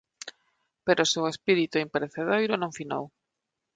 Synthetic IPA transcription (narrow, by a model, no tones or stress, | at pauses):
peɾosewespiɾit̪uimpeɾeθeðajɾonõɱfina̰w